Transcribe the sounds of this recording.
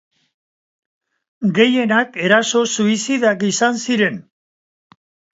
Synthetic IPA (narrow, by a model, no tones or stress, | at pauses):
ɡe̞je̞nake̞ɾaso̞suisiðakisansiɾe̞n